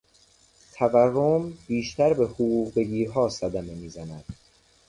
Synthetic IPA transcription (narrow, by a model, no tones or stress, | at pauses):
t̪ʰæværːombiːʃt̪æɾbe̞hoɣuːɣbeɡiːɦɒːsæd̪æme̞miːzænæd̪̥